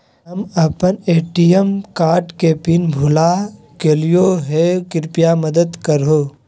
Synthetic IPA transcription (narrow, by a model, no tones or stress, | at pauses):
ɦɐmɐpəneːʈijəmkaːɾʈkepinbʱʊla | keːlijoɦekɪɾpijamɐd̪əd̪kəɾɦoː